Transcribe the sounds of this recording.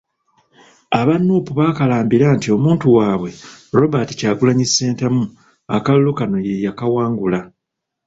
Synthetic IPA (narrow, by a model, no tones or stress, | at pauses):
aβanːuːpuβaːkalaːmbiɾantio̞muːntuwaːβwe̞ɾo̞baːti̥caːɡulaɲisːeːntamu | a̰kallːokano̞jejakawaːŋɡula